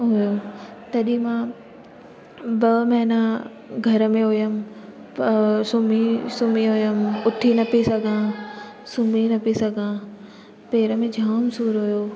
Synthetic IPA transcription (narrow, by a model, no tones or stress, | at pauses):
ɦʊjot̪ɐɗĩmã | bɐmɐɦɪnã | ɡʱɐɾə̆mẽɦʊjəm̆ | psʊmisʊmiɦʊjəmʊʈʰinɐpisɐɡʱã | sʊminɐpisɐɡʱã | peːɾəmẽd͡ʑʱaːmsuːɾɦʊjoː